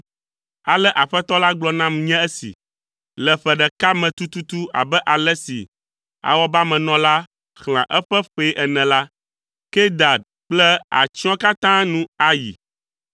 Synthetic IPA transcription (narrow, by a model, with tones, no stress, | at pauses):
a˨lɛ˦ʔa˨ɸɛ˦t̪ɔ˦la˦ɡ͡blɔ˦nã˦mɲɛ̃˦ɛ˦sḭ˨ | lɛ˨ɸɛ˨ɖɛ˨ka˦mɛ̃˨t̪u˦t̪u˦t̪u˦a̰˨bɛ˦ʔa˨lɛ˦sḭ˨ | a̰˨wɔ˦ba˦mɛ̃˨nɔ̃˦la˦ | xl̃ã̰˨ʔɛ˦ɸɛ˦ɸe˨˦ʔɛ˨nɛ̃˨la˦ | kɛ˦d̪a˨d̪ | k͡plɛ˦a̰˨t͡ʃi˦ɔ̃˦ka˦t̪ã˦nũ˦a˨jḭ˨